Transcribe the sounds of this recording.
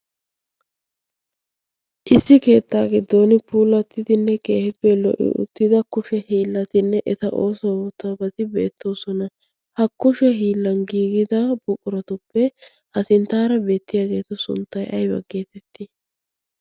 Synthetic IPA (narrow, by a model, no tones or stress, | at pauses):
ʔɪsːɪke̞ːt̪ːaːɡɪd̪ːo̞ːnɪpʰuːlɐt̪ːɪd̪ɪnːɛkeːhɪpːɛlɔ̰ʔɪ̰ʔʊ̰t̪ːɪd̪ɐkʊʃɛhiːlːɐt̪ɪnːɛʔɛt̪ɐʔoːsobɔt̪ːabɐt̪ɪbe̞̰ːt̪ːo̞ːsɔnɐ | hɐkːʊʃɛɦiːlːɐnɡiːɡɪd̪ɐb̥ʊkʼʊɾɐt̪ʊpːɛ | hɐsɪnt̪aːɾɐbe̞ːt̪ːɪjaːɡe̞ːt̪ʊsʊ̰nt̪ːɐjʔɐjbɐ̰ɡːeːt̪ɛt̪ːɪ